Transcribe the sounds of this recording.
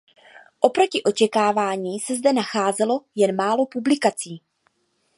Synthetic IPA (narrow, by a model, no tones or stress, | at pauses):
ʔo̞pɾo̞cɪʔo̞t͡ʃɛkaːvaːɲiːsɛzdɛnaxaːzɛlo̞jɛnmaːlo̞publɪkat͡siː